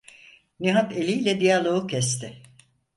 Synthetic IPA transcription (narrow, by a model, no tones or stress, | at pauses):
niɦat̪elʲijlʲɛd̪ijalˠoucʰɛst̪ʰɪ